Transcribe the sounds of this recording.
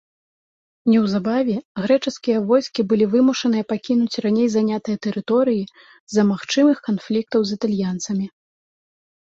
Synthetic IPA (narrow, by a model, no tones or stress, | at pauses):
nʲɛwzabavʲɛɣɾɛt͡ʂɨskʲijɐvɔjskʲibɨlʲivɨmuʂɐnɨjɐpakʲinut͡sʲranʲejzanʲat̪ɨjɐt̪ɛɾɨt̪ɔɾɨji | zɐmaxt͡ʂɨmɨxkanflʲik̚t̪ɐwzit̪alʲjant̪sɐmʲi